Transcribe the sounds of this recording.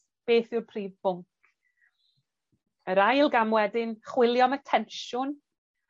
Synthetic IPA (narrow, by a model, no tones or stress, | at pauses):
b̥eːθɪrpʰriːvbʊŋk | əɾajlˠɡamwɛdɪnχwɪlˠjɔmətʰɛnʃʊn